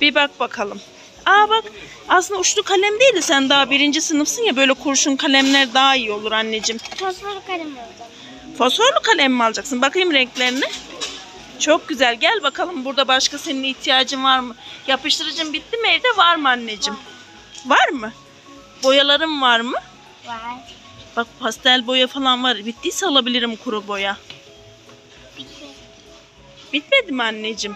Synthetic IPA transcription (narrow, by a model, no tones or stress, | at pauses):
b̥ibak̚bakʰalˠɯm | abak | asɯnd̪aut͡ʃlˠukʰalʲæmd̪ejilʲd̪isænd̪aːabiɾind͡ʒisɯnɯfsɯnjabø̞jlʲɛkʰuɾuʃunkʰalʲæmlʲæɾd̪aɦaijo̞lˠuɾanːed͡ʒɯmfofoɾlˠk̪ˠa | fosfoɾlukʰalʲæmːalˠd͡ʒaksɯnbakʰɯjɯmɾɛɲclʲeɾinɛ | t͡ʃʰo̞k̚ɟyzælʲɟælʲbakʰalˠɯmbuɾd̪abaʃkase̞niniçt̪ʰijaːd͡ʒɯmvaɾmɯjapɯʃt̪ʰɯɾɯd͡ʒɯmbit̪ːimeɾd̪ɛvaɾmɯanːe̞d͡ʒim | vaɾmɯ | bo̞jalˠaɾɯmvaɾmɯ | bak̚pʰast̪ælʲbo̞jafalˠanvaɾbit̪ːisalˠabilʲiɾimkʰuɾubo̞ja | b̥it̪me̞d̪imanːed͡ʒim